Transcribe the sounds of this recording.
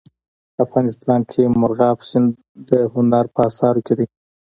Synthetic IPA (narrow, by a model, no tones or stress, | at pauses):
afɣɑnɪst̪ɑnkʰemʊɾɣɑfʃɪn | d̪əhʊnɑɾpəɑsɑɾoked̪i